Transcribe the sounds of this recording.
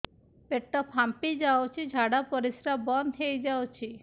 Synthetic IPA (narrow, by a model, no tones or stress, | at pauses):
peʈːɔpʰampid͡ʒawt͡ʃʰid͡ʒʱaɽapɔɾisɾabɔnɦejd͡ʒawt͡ʃʰi